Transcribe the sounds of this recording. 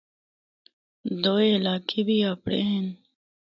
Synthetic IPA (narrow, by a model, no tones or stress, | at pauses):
d̪oːeːlaːkʰebiːaːpɽḛːɦen